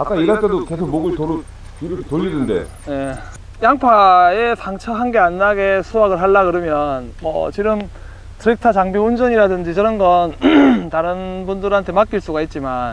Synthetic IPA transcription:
ak͈aiɾat͈edoke̞sʰok̚moɡɯɭtoɾɯ | iɾʌkʰetoʎːinɯnde̞̰ | ne̞ | jaŋpʰaesʰaŋt͡ɕʰʌɦanɡe̞anːaɡe̞sʰuaɡɯɭɦaɭːaɡɯɾɯmjʌnmwʌ̰t͡ɕiɡɯm | tɯɾek̚tʰat͡ɕaŋbiund͡ʑʌɲiɾadɯnd͡ʑit͡ɕʌɾʌnɡʌntaɾɯnbundɯɾɦantʰe̞mak͈iɭs͈uɡait̚t͡ɕ͈iman

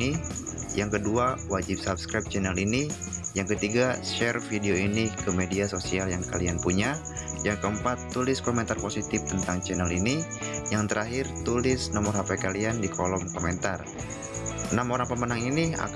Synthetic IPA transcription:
i | jaŋkəduawad͡ʒɪp̚sap̚skɾap̚t͡ʃɛnɛlini | jaŋkət̪iɡaʃɛrfideoinikəmediasosialjaŋkalianpuɲa | jaŋkəəmpat̪ːulɪskomɛnt̪arposit̪ɪft̪ənt̪aŋt͡ʃɛnɛlini | jaŋt̪əɾaɦɪrt̪ulɪsnɔmɔrɦapajkaliandikʰolɔmkomɛnt̪ar | namoɾaŋpəmənaŋinia̰

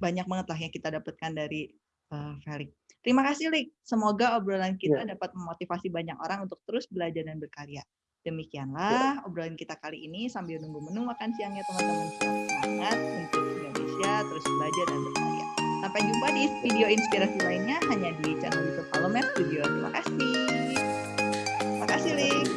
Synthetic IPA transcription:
baɲak̚maŋət̪laɦjaŋkit̪adapat̪̚kandaɾi | əfelɪk̚ | t̪əɾimakasɪhlɪk̚səmoɡaobɾolankit̪adapat̪̚məmot̪ifasibaɲako̰ɾaŋunt̪ʊ̥k̚t̪əɾʊsbəlad͡ʒardanbərkaɾia | d̥əmikianlahobɾalankit̪akaliːnisambilunuŋbumənʊŋmakansiaŋɲat̪əmənt̪əmənaŋət̪̚unt̪ʊk̚indonḛsiat̪əɾʊsbəlad͡ʒardanbərkaɾḛa̰sampajd͡ʒumpadifidioinspiɾasilaɪnɲaɦaɲadit͡ʃa̰nanit̪upaləmɛtt̪udiot̪ɾima̰kasɪ | t̪ɾimakasɪhlɪk

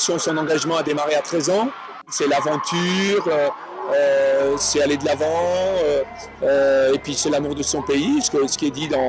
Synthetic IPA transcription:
sjɔ̃sɔ̃nɑ̃ɡaʒmɑ̃ad̪emaʁeat̪χɛzɑ̃ | sɛlavɑ̃t̪ʰyːʁø | øsɛaled̪əlavɑ̃ø | øepɥisɛlamuʁd̪əsɔ̃peisə̥kəsə̥kʲiɛd̪id̪ɑ̃

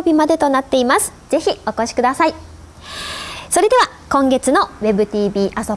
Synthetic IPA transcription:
oːbʲimad̪e̞t̪o̞nat̪ːe̞imasɨ̥z̥e̞çio̞ko̞ɕi̥kɯd̪asai | so̞ɾe̞d̪e̞βa | kõ̞ŋɡe̞t͡sɨno̞βe̞bɯ̟t̪ʲiːbʲiːʔaso

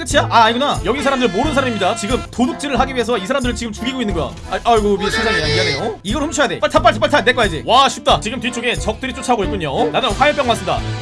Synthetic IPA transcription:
k͈ɯt͡ɕʰiaʔaɲiɡunajʌɡisʰaɾamdɯɾɯɭmoɾɯnsʰaɾamimɲidat͡ɕiɡɯmtoduk̚t͡ɕ͈iɾɯɭɦaɡiɥiɦe̞sʰʌisʰaɾamdɯɾɯɭt͡ɕiɡɯmt͡ɕuɡiɡoinːɯnɡʌjo̰ | aɡomiɕʰiŋd͡ʑʰaŋanejade̞joiɡʌɭhʰumt͡ɕʰʌjade̞p͈aɭtʰap͈aɭt͡ɕʰip͈aɭtʰane̞k͈ajad͡ʑiwaɕʰip̚t͈at͡ɕiɡɯmtɥit͡ɕ͈oɡet͡ɕʌk̚t͈ɯɾit͡ɕ͈ot͡ɕʰaɡoit̚k͈uɲonanɯnɸʰwajɯɭp͈jʌŋmas͈ɯmda̰

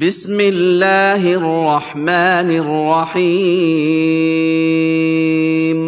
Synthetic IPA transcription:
bɪsmɪlːaːɦɪrːɑħmaːnɪrːɑħiː | m

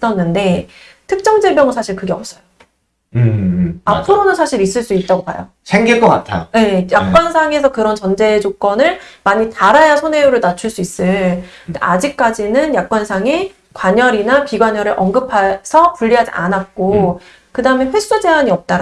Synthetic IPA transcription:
s͈ʌnːɯnde̞ | tʰɯk̚t͡ɕ͈ʌŋd͡ʑeɭbjʌŋɯsʰaɕʰiɭkɯɡe̞ʌp̚s͈ʌjo | apʰɯɾonɯnsʰaɕʰiɾis͈ɯɭs͈uit̚t͈aɡopa̰jo̰ | sʰeŋɡik͈ʌk͈a̰tʰa̰je̞jak̚k͈wansʰaŋe̞sʰʌkɯɾʌnt͡ɕʌnd͡ʑe̞d͡ʑok͈ʌnɯɭmaɲitaɾajasʰone̞uɾɯɭnat͡ɕʰuɭs͈uis͈ɯɭdeʔa̰d͡ʑik̚k͈ad͡ʑinɯnjak̚k͈wansʰaŋe̞ | kwaɲʌɾinapiɡwaɲʌɾɯɾʔʌŋɡɯpʰasʰʌpuʎːiɦad͡ʑiʔa̰nak̚k͈o | kɯdaɯme̞ɸwe̞s͈ud͡ʑe̞ɦaɲiʌp̚t͈aɾ

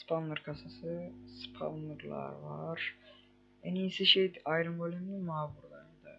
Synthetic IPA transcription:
spʰalˠnɯɾkʰasasɯspʰa̰lˠnɯɾlˠa̰ɾvaɾ̥ | ænijsɛʃejd̪iɑjɾɯmbølʲeminimaːvuɾlˠaɾɯnd̪a

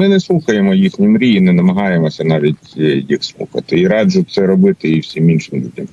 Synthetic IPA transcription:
mɪnɛslˠuxɐjemɔjixnʲimɾʲiinɛnɐmɐɦɑjemɔsʲɐnɑʋʲitʲjixslˠṵxɐ̰t̪ɪiɾɑdʒʊt̪sɛɾɔbɪt̪ɪiwsʲiminʃɪmd̪ʲutʲɐm

